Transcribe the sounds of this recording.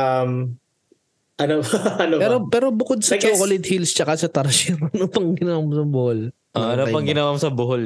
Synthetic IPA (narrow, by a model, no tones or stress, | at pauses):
ʔɐm | ʔɐnopɐnopɛːɾopɛːɾobʊkod̪̚sɐt͡ʃoːkolɪt̪hilst͡ʃɐkasɐt̪ɐɾsɪɾɐnopɐŋɡɪnɐwamosɐbʊhol | ʔɐnopɐŋɡɪnɐwamosɐbʊɦol